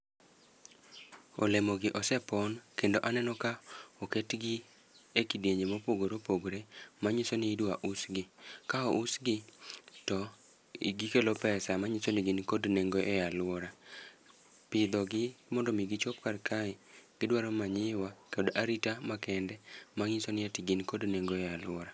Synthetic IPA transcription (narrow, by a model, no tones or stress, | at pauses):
o̰lemoɡɪʔɔsɛpɔnkendoʔanɛnɔkaoketɡɪ | ekideɲemopoɡoɾopoɡɾemaɲisoniːdwaʔusɡɪkaɔʔusɡɪtɔ | iɡikelopɛsamaɲisonɪɡɪnkodneŋɡoʔejalwɔɾa | pɪd̪ɔɡɪmɔndɔmiɡit͡ʃopkarkʰaɛɡ̥ɪdwaɾomaɲɪwakedʔaɾitamakɛndɛmaŋisonɪɛtɪɡɪnkodneŋɡoɛjalwɔɾa